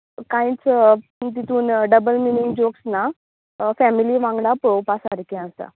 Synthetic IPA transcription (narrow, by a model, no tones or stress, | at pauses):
kãjĩt͡st̪̬it̪ʰuːnɖəbəlminiŋɡd͡ʑoksna | fɛmiliʋãŋɡɽapowpasaɾkɛ̃əst̪a̰